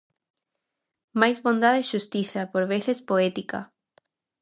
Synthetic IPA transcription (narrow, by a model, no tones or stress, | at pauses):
majzβõnd̪aðeʃust̪iθapoɾβeθespoet̪ika̰